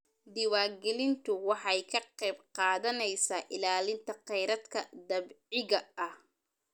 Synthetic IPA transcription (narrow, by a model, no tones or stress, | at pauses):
d̪ɪwaːɡɛlɪnt̪ʰʊwɑħɑjkʰɐqɛjbqɑːðɐnɛjsaːʔɪlaːlɪnt̪ʰɐqɛjɾɐd̪kʰɐd̪ɐbʕɪɣɐɐh